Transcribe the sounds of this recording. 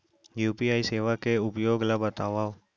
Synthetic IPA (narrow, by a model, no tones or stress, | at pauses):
juːpiaːiseːʋakeʊpjoːɡlabət̪aːʋaːw